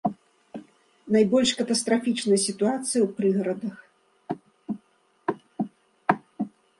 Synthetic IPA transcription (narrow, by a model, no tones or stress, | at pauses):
najbɔlʲʂkɐt̪ɐst̪ɾafʲit͡ʂnɐjɐsʲit̪uat̪sɨjɐwpɾɨɣɐɾɐd̪ɐx